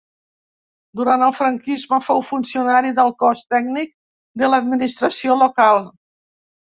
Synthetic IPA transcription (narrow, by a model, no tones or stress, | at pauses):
d̪uɾant̪əlˠfɾəŋkizməfowfunsiunaɾiðəlˠkɔst̪ɛɡnik̚ | d̪ələd̪minist̪ɾəsiolokalˠ